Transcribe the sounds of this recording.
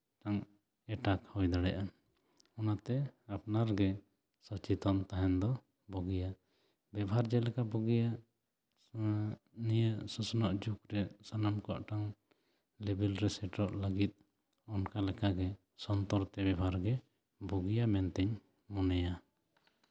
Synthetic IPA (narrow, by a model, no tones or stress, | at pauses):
ʈaŋ | ɛʈakhɔjd̪aɽɛjʔa | ɔnat̪ɛap̚naɾɡɛ | sɔt͡ʃit̪ɔnt̪aɦɛnd̪ɔ | bɔɡija | bɛbɦaɾd͡ʒɛlɛkabɔɡija | nijəʔsɔsɔnɔʔd͡ʒukɾɛsanamkɔa̰ʔʈaŋ | lebɛlɾɛsɛʈɔʔləɡit̪̚ | ɔnkalɛkaɡɛ | sɔnt̪ɔɾt̪ɛbɛbʱaɾɡɛ | bɔɡijamɛnt̪ɛɲ | mɔnɛja